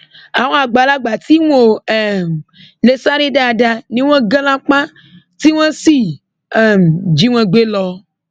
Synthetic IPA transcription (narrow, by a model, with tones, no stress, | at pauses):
a˨wõ˦a˨ɡ͡ba˨la˦ɡ͡ba˨t̪i˦ŋo˨ɛ˨m | le˨sa˦ɾe˦ɖa˦˨ɖa˨nĩ˦w̃ɛ̃˦ɡe˦lã˦k͡pã˦ | t̪i˦wɛ̃˦si˦ | ɛ˨md͡ʒi˦w̃ɛ̃˨ɡ͡be˦lɔ˦